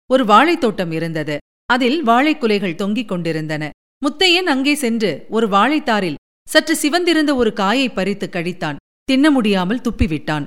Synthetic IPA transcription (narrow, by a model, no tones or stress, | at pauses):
ɔɾɯʋaːɻɐɪt̪ːoːʈːɐmɪɾɯnd̪ɐðɯ | ɐðɪlʋaːɭɐɪkːɯlɐɪɣɐɭt̪ɔŋɡɪkːɔɳɖɪɾɯnd̪ɐnɐ | mʊt̪ːɐjɐnɐŋɡeːsɛndrɯɔɾɯʋaːɭɐɪt̪ːaːɾɪl | sɐʈrɯsɪʋɐnd̪ɪɾɯnd̪ɐɔɾɯkaːjɐɪpːɐɾɪt̪ːɯkːɐɽɪt̪ːaːn | t̪ɪnːɐmʊɽɪjaːmɐlt̪ʊpːɪʋɪʈːaːn